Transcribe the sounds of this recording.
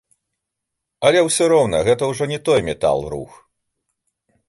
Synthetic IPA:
ɐlʲɛwsʲɔɾɔwnɐ̰ɣɛt̪ɐwʐɔnʲɛt̪ɔjmʲɛt̪a̰lˠrṵx

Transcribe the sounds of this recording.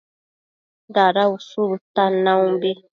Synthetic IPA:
d̪aɾausult̪anãwũbe

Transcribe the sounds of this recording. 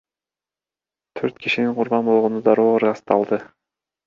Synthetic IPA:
t̪ʰøɾt̪̚kʰiʃiniɴqʰʊɾbɑnbo̞lˠʁo̞nud̪ɑɾoːɯɾʁɑst̪ɑlˠd̪ɯ

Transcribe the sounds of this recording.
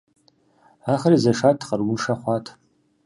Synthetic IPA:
aχarizaʂatʰχʼarwunʂaχʷatʰ

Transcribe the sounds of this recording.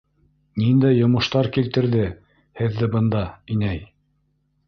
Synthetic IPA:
nind̪æjːŏmɤ̆ʃt̪ɑɾkilt̪ɘ̆ɾðɘ | hɘ̆ðːɘbɤ̆nd̪ɑinæj

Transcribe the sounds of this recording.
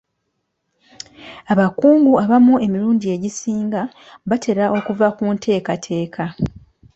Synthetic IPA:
aβakuːŋɡuaβamue̞miɾuːndie̞ɟisiːŋɡa | βatʰe̞ɾaʔo̞kuvakuntʰe̞ːkatʰe̞ːkʰa

